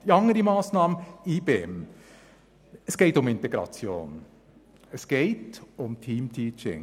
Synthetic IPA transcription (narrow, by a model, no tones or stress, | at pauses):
jɑŋːəɾimɑːsnɑːməniːbeɛm | ɛsɡ̥eːtʊmɪnteɡɾɑ̰t͡sjo̰ːn | ɛsɡ̥eːtʊmtʰiːmtʰiːt͡ʃɪ̰ŋ